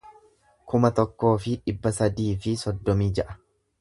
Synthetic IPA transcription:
kʊmɐt̪ɔkːo̞ːfɪᶑɪbːɐsɐd̪iːfɪsɔd̪ːɔmiːd͡ʒɐʔɐ̥

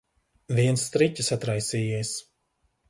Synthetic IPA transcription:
viɛnst̪ɾicʲɨsat̪ɾajsiːjiɛs

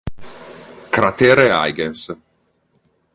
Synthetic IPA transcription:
kɾat̪ɛːɾea̰jɡens

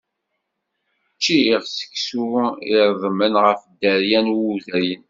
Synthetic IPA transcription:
t͡ʃːiiʁsə̥kːsuɪɾˤðˤmənʁəfd̪ːəɾjænwuðæjən

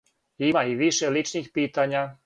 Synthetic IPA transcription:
jimaiʋiʃɛlit͡ʃniːxpiːt̪aɲɪa

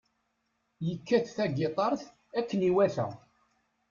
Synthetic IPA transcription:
jəkːæθθæɡɪt̪ˤɑɾˤθ | ækːəniwæθæ̰

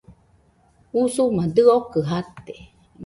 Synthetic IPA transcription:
usumad̪ɨokɨɦat̪e

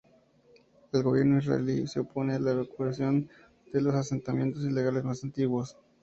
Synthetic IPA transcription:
e̞lɣo̞βje̞ɾnoizra̰ḛlise̞opo̞ne̞alaeβakuasjo̞n | d̪̥e̞lo̞sase̞nt̪amje̞nt̪os̬ile̞ɣ̞ale̞zmasant̪iɣwo̞s

